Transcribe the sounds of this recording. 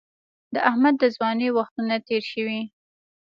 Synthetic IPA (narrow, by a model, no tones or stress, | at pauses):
d̪əʔahmad̪ːəzwɑnewaxt̪unat̪eɾʃəwi